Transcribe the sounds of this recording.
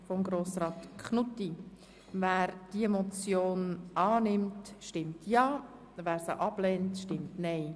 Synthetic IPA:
fɔmɡɾoːsrɑːtkʰχnutːi | væːɾd̥iemɔt͡sjoːnɑːnɪmtʃtɪmtʰjɑː | væːɾsəʔɑb̥lɛːntʃtɪmtnɛɪ

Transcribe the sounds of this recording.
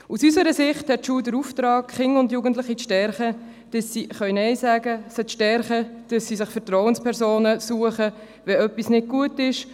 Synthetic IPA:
usysəɾəsɪχthɛt̚ʃuːldəɾuftɾɑːkχɪŋʊndjuːɡən̩tlɪχit͡sʃtɛɾχə | d̥ɑsːiχœʏnɛɪsæːɡəsət͡sʃtɛɾχəd̥ɑsːisɪχfəɾtrɔwənspʰɛɾsoːnəsuəχə | ʋɛœpːisnɪd̚ɡ̥uətɪʃ

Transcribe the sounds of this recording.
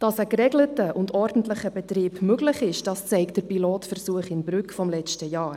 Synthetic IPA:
d̥ɑsəkɾɛɡlətəʔʊndɔɾd̥ən̩tləχəbɛtɾiːbmøɡlɪχɪʃd̥ɑst͡sɛɪkt̚d̥əɾpiloːtfərsuəχɪnbɾʏkfɔmlɛt͡ʃtəjɑːɾ

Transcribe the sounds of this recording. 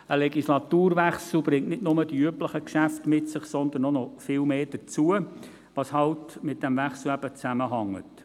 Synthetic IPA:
əlɛɡislɑt̪uːɾʋæχsl̩b̥ɾɪŋtnɪdnʊməd̥iyəpləχəkʃæftmɪtsɪχsɔnd̪ənːɔnɔfɪːlmeːd̥ət͡suə | ʋɑshɑltmɪt̚d̥ɛmvæχsl̩æb̥ət͡sæməɦɑŋːə̰t

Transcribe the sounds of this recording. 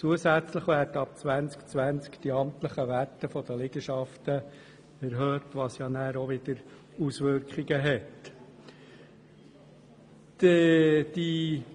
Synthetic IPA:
t͡suəsæt͡sləχʋæːɾdəɑp̚t͡sʋænt͡skt͡sʋænt͡skd̪̥iɑmt̪ləχəʋætːəfɔd̥̪əlɪɡ̥əʃɑft̪ə | ɛɾɦøːtʋɑsjɑnæːɾɔʋɪd̥̪əɾ | usʋʏɾkχiɡəɦɛt | d̥i

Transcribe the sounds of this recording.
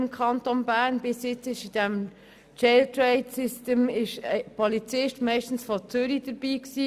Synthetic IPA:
mkʰɑnt̪onbæːɾnbɪsjɪt͡sɪʃid̥ɛm | t͡ʃɛltɾɛɪdsɪstəmɪʃəpɔlit͡sɪʃtmɛɪʃtən̩sfɔt͡sʏɾid̥əɾb̥iːksiː

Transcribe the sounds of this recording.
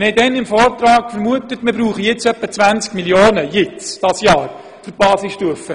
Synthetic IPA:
hɛɪdɛnɪmfɔːrt̪rɑːkfəɾmuətətmɪɾbɾuːχəjɪt͡sœpːət͡svʋænt͡skmiljoːnəjɪt͡sd̥ɑsjɑːɾ | fyɾb̥ɑːsɪsʃtuəfə

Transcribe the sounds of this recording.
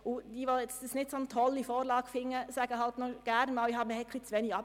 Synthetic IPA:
ʊdiʋɔlɛt͡sdɪsnɪtsont̪ʰɔlifoːɾlɑːɡ̥fɪŋəsɛːɡəhɑlt̪nɔɡ̥æɾnmɑːlihɑːbməɛkʰlɪt͡sʋeːnɪɑ

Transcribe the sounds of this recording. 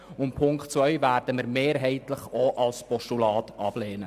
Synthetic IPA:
ʊnpʰʊŋktt͡svœʏvæːɾd̥əməɾmeːɾɦɛɪtləχoʔɑlspɔʃtulɑːtɑb̥lɛːnə

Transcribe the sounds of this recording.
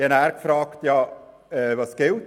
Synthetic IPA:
ɛnæːɾkfɾɑːktjɑ | ɛvɑsɡ̥ɪlt

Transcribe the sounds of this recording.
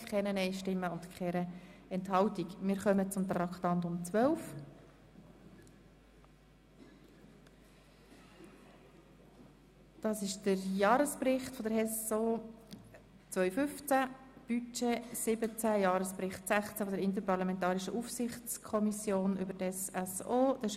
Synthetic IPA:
kʰɛnənɛɪʃtɪmːəʊntkχɛɾəɛnthɑltikmɪːɾχœmət͡sʊmt̪ɾɑkχtɑntʊmt͡sʋœlf | d̥ɑːsɪʃd̥əɾjɑːɾəsprɪχtfɔdəɾɛsoː | t͡sʋœʏfʏft͡sæb̥yt͡ʃesɪbət͡sæjɑːɾəsprɪχtsæχt͡sæfɔdəɾɪnt̬əɾpɑʁlɑmɛntɑːɾiʃəʔufsɪχt͡skʰɔmisjoːnʔʏ̰bətɛsɛsoːd̥ɛ

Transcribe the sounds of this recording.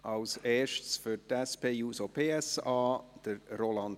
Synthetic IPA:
ʔɑlseːʃtsfytɛspeːjuːsopʰeːɛsɑːd̥əɾɾolɑnd

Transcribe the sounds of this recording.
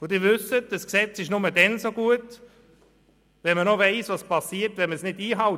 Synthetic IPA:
odiːvʏsət̚d̥əsksɛt͡sɪʃnʊmədɛnsoɡuət | vɛnmənɔveɪsvɑspʰɑsiːəɾtvɛnməsnɪdiːɦɑʊ

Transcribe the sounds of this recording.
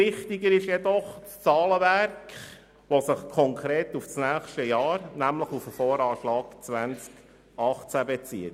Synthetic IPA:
ɪχt̪iɡəɾɪʃjɛdɔχst͡sɑːləʋæɾkχ | ʋosɪχkʰɔŋkʰɾeːtufsnæːχʃtəjɑːɾnæmləχufəfoːɾɑːʃlɑːɡt͡sʋænt͡sk | ɑχt͡sæbet͡sḭːət

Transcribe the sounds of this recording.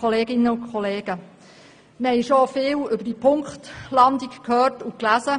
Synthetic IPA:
ɔleːɡɪnːəʊkχɔleːɡ̥ə | məhɛjʃofɪːlʏbəd̥ipʰʊŋkχtlɑnd̪ikkʰhøːtʊklæsə

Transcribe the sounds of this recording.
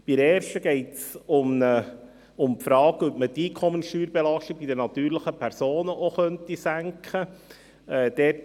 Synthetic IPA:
b̥iɾɛːɾʃtəɡ̥ɛɪtsʊmə | ʊmpfɾɑːɡœp̚mətiːkʰɔmənsʃtyːɾbelɑʃtiɡ̚bidənɑt̪yːɾləχəpʰæɾsoːnəʔoχœntisæŋkχə | ɛːd̪̥ɛt

